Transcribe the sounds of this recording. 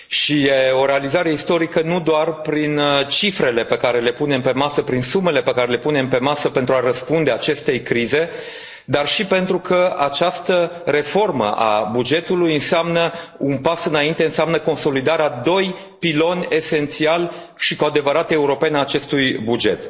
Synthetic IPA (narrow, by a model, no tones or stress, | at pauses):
ʃijeo̞ɾe̞alizaɾe̞ist̪o̞ɾikənud̪oarpɾint͡ʃifɾe̞le̞pe̞kaɾe̞le̞pune̞mpe̞masəpɾinsume̞le̞pe̞kaɾe̞le̞pune̞mpe̞masəpe̞nt̪ɾuaɾəspund̪e̞at͡ʃe̞st̪e̞jkɾize̞ | d̪arʃipe̞nt̪ɾukəat͡ʃast̪əɾe̞fo̞rmə̰ʔa̰bud͡ʒe̞t̪ulujɨnseamnəunpasɨnaint̪eɨnseamnəko̞nso̞lid̪aɾead̪o̞j | pilo̞nʲe̞se̞nt̪sial | ʃikoad̪e̞vəɾat̪e̞uɾo̞penaːt͡ʃe̞st̪ujbud͡ʒe̞t̪